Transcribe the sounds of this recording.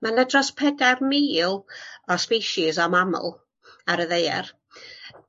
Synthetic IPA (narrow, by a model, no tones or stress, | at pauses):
manɛdrɔspʰɛdarmiːlˠɔspiʃɪzɔmamʊ̰lˠ | aɾəðejɛ̰r